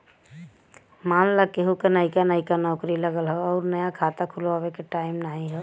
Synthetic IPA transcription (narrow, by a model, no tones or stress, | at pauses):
maːnləkeɦukenaɪikanaikanɔːkɾiləɡəlɦɛɔːɾnəjakʰaːt̪akʰʊlʋaːwekeʈaːɪmnaːɦĩɦɛ